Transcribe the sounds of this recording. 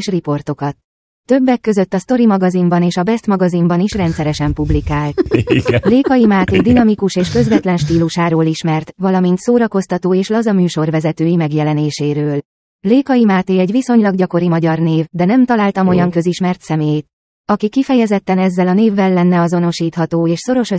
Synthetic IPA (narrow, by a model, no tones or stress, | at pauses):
ʃripo̞rt̪o̞kɒt̪ː | ø̞bːɛkːø̞zø̞t̪ːɒst̪o̞ɾimɒɡɒzimbɒneːʃɒbɛst̪mɒɡɒzimbɒniʃrɛnt̪sɛɾɛʃɛmpublikaːlt̪leːkɒjimaːt̪eːd̪inɒmikuʃeːʃkø̞zvɛt̪lɛnʃt̪iːluʃaːɾoːliʃmɛrt̪vɒlɒmint̪soːɾɒko̞st̪ɒt̪oːeːʃlɒzɒmyːʃo̞rvɛzɛt̪øːjimɛɡjɛlɛneːʃeːɾøːl | leːkɒjimaːt̪eːɛɟʋiso̞ɲlɒɡɟɒko̞ɾimɒɟɒrneːvd̪ɛnɛmt̪ɒlaːlt̪ɒmo̞jɒŋkø̞ziʃmɛrt̪sɛmeːt̪ | ɒkikifɛjɛzɛt̪ːɛnɛzːɛlɒneːvːɛlːɛnːɛɒzo̞no̞ʃiːt̪hɒt̪oːeːʃso̞ɾo̞ʃø